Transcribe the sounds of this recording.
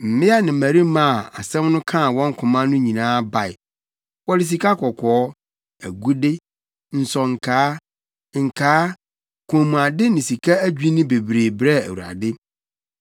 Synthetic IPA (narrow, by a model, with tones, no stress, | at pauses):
m̩˨mɪ̃˦a˦nɪ̃˨mæ˨ɾi˦mã˨a̰˨sɛ̃˦mnʊ̃˦kʰã˦˨wɔ̃˦ŋ̩˦kʰʊ̃˨mã˦nʊ̃˦ɲĩ˨nãː˦ba˨ɪ̰˨ | wɔ˦dɪ˨s̬i˨kʰa˦kʰɔ˨kʰɔː˨˦ | æ˨ɡu˦dɪ˦ | n̩˨sɔ˨ŋ̩˨kʰaː˦ | ŋ̩˨kʰaː˨˦ | kʰũ˨mũ˨a˨dɪ˦nɪ̃˨si˨kʰa˦æ˦d͡ʑᶣi˦nʊ̃˦be˨bɾeː˨bɾɛ˦æ̰˨wu˨a̰˨dɪ˦